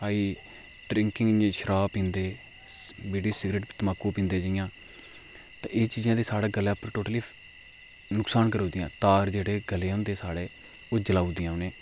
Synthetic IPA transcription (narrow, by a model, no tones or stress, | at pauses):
aːiː | ɖɾɪ̃ŋkɪŋɡʃəɾaːpĩːnd̪eː | beːɽiːsɪɡɾeːʈpit̪əmaːkːuːpĩːnd̪eːd͡ʒəːɪjãː | t̪ã̰ːʔeːt͡ʃiːd͡ʒãːd̪eːsaːɽaːɡəlãːpəɾʈoːʈəliː | nʊksaːnkəɾoːd̪ijãːt̪aːɾd͡ʒeːɽeːɡəleːʊnd̪eːsaːɽeː | oːd͡ʒəlaːuːd̪ijãːʊnẽː